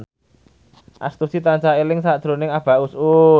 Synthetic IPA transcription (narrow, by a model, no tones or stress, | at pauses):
ʔa̰st̪usit̪aɲt͡ʃaelɪŋsad̥ʒ̥ɾo̤nɪŋab̥ä̤ʔusu